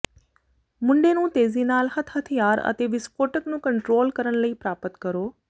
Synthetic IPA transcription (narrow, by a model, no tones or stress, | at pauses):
mʊ̃ɳɖeːnũːt̪eːziːnaːlhət̪ʰɦət̪ʰijaːɾə̰t̪eːʋɪskoːʈəknũːkəɳʈɾoːlkəɾənləiːpɾaːpət̪kəɾoː